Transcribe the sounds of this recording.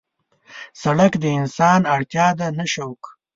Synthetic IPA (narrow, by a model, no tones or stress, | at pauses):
saɽakd̪əɪnsɑnaɽt̪jɑd̪anaʃawk